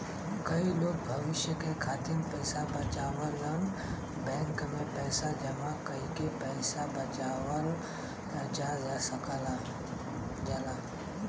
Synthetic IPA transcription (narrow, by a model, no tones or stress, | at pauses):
kɐiloːɡ̚bʱɐʋɪʃjəkekʰaːt̪inpɛːsabɐt͡ʃaːʋələn | bɛ̃ːŋkmẽpɛːsad͡ʒɐmãkɐikepɛːsabɐt͡ʃaːʋəl | ɐd͡ʒazasɐkəl | d͡ʒɐlaː